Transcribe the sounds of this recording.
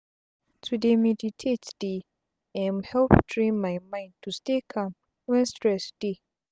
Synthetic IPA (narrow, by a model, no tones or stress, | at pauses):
tʰudemɛditʰetd̥e | ɛ̃nhɛlpdɹĩnmajmãɪ̃nd̚tʰustekʰãm | wɛ̃nstɹɛsd̥e